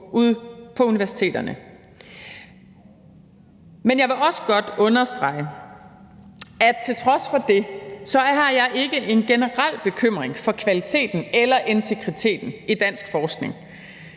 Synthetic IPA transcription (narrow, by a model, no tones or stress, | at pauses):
uð̰ˠpʰɒ̽uniʋæɐsi̥t͡sʰḛːd̥ɐnə | menjɑɪʋe̝ʔɒ̽sə̥ɡ̥ɒ̽d̥ɔ̽nɐsd̥ʁɑ̈ɪ̰ə | æ̥t͡sʰe̝lt͡sʰʁɒ̽sfɒ̽d̥e̝sɒ̽ɦɑ̈jɑ̈ɪʔe̝ɡ̥əʔe̝nɡ̥enəʁal̰b̥e̝kʰøm̰ʁeŋfɒ̽kʰʋælit͡sʰe̝̰ːd̥n̩elɐʔe̝nt͡sʰe̝ɡ̥ʁit͡sʰe̝̰ːd̥n̩id̥æn̰sɡ̥fɒːsɡ̥ne̝ŋ